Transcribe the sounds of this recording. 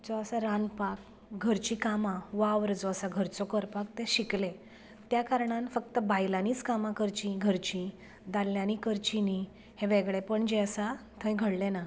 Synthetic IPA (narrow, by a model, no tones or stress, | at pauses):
d͡zɔəsaɾanpak | ɡʱəɾt͡ɕĩkamãʋaʋəɾd͡zɔəsaɡʱəɾt͡sɔkəɾpak̚t̪eɕikle | t̪jakaɾɳãnfək̚t̪əbajlaniːt͡skamakəɾt͡ɕĩɡʱəɾt͡ɕĩ | d̪alːjãnikəɾt͡ɕini | heʋeɡɭepəɳd͡ʑeəsat̪ʰə̃jɡʱəɽlena